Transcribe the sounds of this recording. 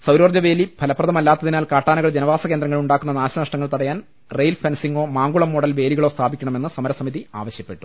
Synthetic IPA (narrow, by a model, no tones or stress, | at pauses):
sɐwɾoːrd͡ʑɐʋe̞ːlib̥ʱɐlɐpːrɐðɐmɐlːaːt̪ːɐðinaːlkaːʈːaːnɐɣɐɭd͡ʑenɐʋaːsɐke̞ːnd̪ɾɐŋːɐɭuɳɖaːkːunːɐnaːɕɐnɐʂʈɐŋːɐɭt̪ɐɽɐjaːn | rejlfʰensiŋɡo̞ːmaːŋɡuɭɐmːoɽɐlʋe̞ːliɣɐɭo̞ːst̪ʰaːbikʲːɐɳɐme̞nːɨsɐmɐɾɐsɐmiðia̰ːʋɐɕjɐpːe̞ʈːu̥